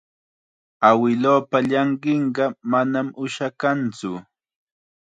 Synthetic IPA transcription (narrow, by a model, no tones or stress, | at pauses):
awɪloːpaʎɑɴɢɪɴɢɑmanamʊʃakant͡sʊ